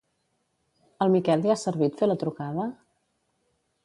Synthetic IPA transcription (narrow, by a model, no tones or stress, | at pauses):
əlˠmikɛlˠd̪iasəɾβit̪felət̪ɾukaðə